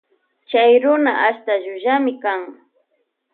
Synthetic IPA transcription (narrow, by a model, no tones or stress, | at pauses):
t͡ʃajɾʊnaʔaʃt̪aʒʊʒamɪkaŋ